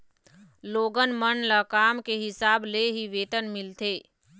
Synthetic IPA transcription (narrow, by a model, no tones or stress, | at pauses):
loːɡənmənləkaːmkeɦɪsaːbleɦiʋeːt̪ənmɪlt̪eː